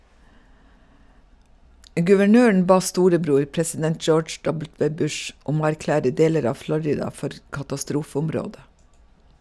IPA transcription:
ɡʉʋəˈɳøːɳ̩ ˈbɑː ˈstuːɾəˌbɾuːɾ pɾɛsɪˈdɛnt ˈd͡ʒoːd͡ʒ ˈdɔbl̩ˌtʋeː ˈbʉʃ ˈʔʊm ˈoː æɾˈklæːɾə ˈdeːləɾ ˈɑː ˈflɔɾɪdɑ ˈfɔɾ kɑtɑˈstɾuːfəʊmˌɾoːdə

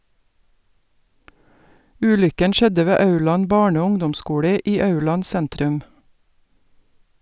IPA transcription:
ˈʉːlʏkən ˈʃɛdə ˈʋeː ˈɑʉɭɑn ˈbɑːɳə ˈoː ˈʊŋdɔmˌskuːlə ˈiː ˈɑʉɭɑn ˈsɛntɾʉm

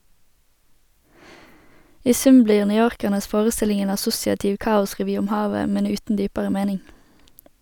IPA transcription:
ˈiː ˈsʉm ˈbliːʁ nʏˈjoːʁkəʁnəs ˈfoːʁəˌstɪlɪŋ ˈeːn ɑˈsʊsɪɑtɪʋ ˈkɑːʊsʁɛˌʋyː ˈʊm ˈhɑːʋə ˈmɛn ˈʉːtn̩ ˈdyːpəʁə ˈmeːnɪŋ

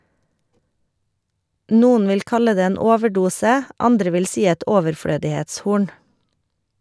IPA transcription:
ˈnuːn̩ ˈʋɪl ˈkɑlə ˈdeː ˈeːn ˈoːʋəˌɖuːsə ˈɑndɾə ˈʋɪl ˈsiː ˈɛt ɔʋəɾˈfɽøːdɪheːtsˌhuːɳ

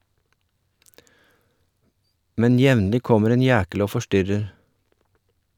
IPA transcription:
ˈmɛn ˈjɛʋnlɪ ˈkɔməɾ ˈeːn ˈjæːkəl ˈoː fɔˈʃtʏɾəɾ

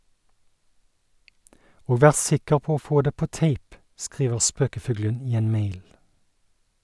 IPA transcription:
ˈoː ˈʋæːʁ ˈsɪkəʁ ˈpoː ˈoː ˈfoː ˈdeː ˈpoː ˈteɪp ˈskʁiːʋəʁ ˈspøːkəˌfʉːɡlən ˈiː ˈeːn ˈmeɪl

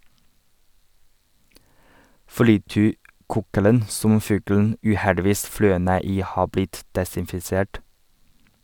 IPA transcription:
flɪˈtyːˌkuːkələn ˈsɔm ˈfʉːɡln̩ ʉːˈhɛɖɪˌʋiːs ˈflœʏ ˈneː ˈiː ˈhɑː ˈblɪt dɛsɪnfɪˈseːʈ

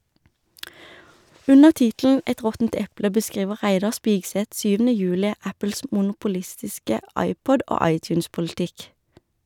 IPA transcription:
ˈʉnəʁ ˈtɪtln̩ ˈɛt ˈʁɔtn̩t ˈɛplə bəˈskʁiːʋə ˈʁæɪdɑʁ ˈspiːɡsɛt ˈsyːʋn̩ə ˈjʉːlɪ ˈæpl̩s mʊnʊpʊˈlɪstɪskə ˈɑɪˌpɔd ˈʔoː ˈɑɪˌtjʉːnspʊlɪˌtɪk

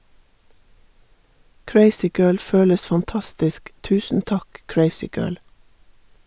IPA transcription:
ˈkɹeɪsɪˌɡɜːɭ ˈføːləs fɑnˈtɑstɪsk ˈtʉːsn̩ ˈtɑk ˈkɹeɪsɪˌɡɜːɭ

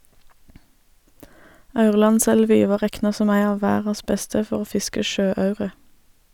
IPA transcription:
ˈɑʉʁlɑnˌsɛlʋɪ ˈʋɑː ˈʁɛknɑ ˈsɔm ˈæɪ ˈɑː ˈʋæːʁɑs ˈbɛstə ˈfɔʁ ˈoː ˈfɪskə ˈʃøːˌɑʉʁə

